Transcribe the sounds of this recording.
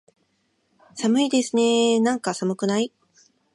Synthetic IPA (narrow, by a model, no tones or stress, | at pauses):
samɯ̟id̪e̞sɨne̞nãŋkasamɯ̟kɯ̟nai